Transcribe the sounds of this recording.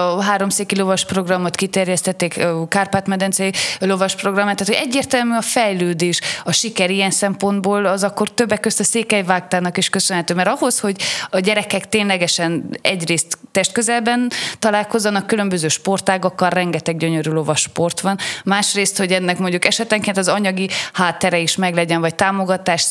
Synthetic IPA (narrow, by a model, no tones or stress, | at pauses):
ɦaːɾo̞mseːkilo̞vɒʃpro̞ɡrɒmːot̪kit̪ɛrjɛst̪ɛt̪ːeːkkaːrpaːt̪mɛd̪ɛnsɛjilo̞vɒʃpro̞ɡrɒmːat̪ːaːt̪hoɟɛɟːeːrt̪ɛlmyɒfɛjløːd̪eːʃɒʃikɛɾiɛnsɛmpo̞nd̪boːlɒzɒkːo̞rt̪øbːɛkːøst̪ɒseːkɛjvaːk̚t̪aːnɒkiʃkøsønɦɛt̪øːmɛɾɒɦo̞sho̞ɟɒɟɛɾɛkɛkt̪eːnlɛɡɛʃɛnɛ̰ɟreːst̪ːɛʃt̪̚køzɛlbɛnt̪ɒlaːlko̞zːɒnɒkːylø̞mbøzøːʃpo̞rt̪aːɡɒkːɒlrɛŋɡɛt̪ɛɡ̚ɟøɲøɾylo̞vɒʃpo̞rt̪ʋɒnmaːʃreːst̪ho̞ɟɛnːɛkmo̞ɲɟukɛʃɛt̪ɛŋkeːnt̪ɒzɒɲɒɡihaːt̪ːɛɾɛiʃmɛɡlɛɟɛnvɒc̚t̪aːmo̞ɡɒt̪aːʃ